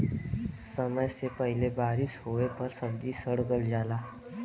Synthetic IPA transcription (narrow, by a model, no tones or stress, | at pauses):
səməjsepəɦlebaːɾɪʃɦoːepɐɾsəb̚d̪isəɽɡəld͡ʒaːlaː